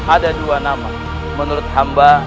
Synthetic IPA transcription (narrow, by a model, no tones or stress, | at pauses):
adaduwanama | mənuɾt̪hamba